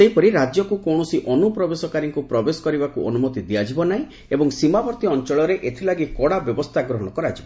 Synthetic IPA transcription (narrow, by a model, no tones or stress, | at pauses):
ejpɔɾiɾad͡ʒjɔkukɔwɽ̃ɔsiʔɔnupɾɔbesɔkaɾiŋkupɾɔbesɔ̥kɔɾibakuɔ̰numɔt̪id̪iad͡ʒibɔnaĩ | ebɔŋsimabɔɾt̪iɔnt͡ʃɔɭɔɾeʔet̪ʰilaɡikɔɽabjɔbɔst̪ʰaɡɾɔɦɔɽ̃ɔkɔɾad͡ʒibɔ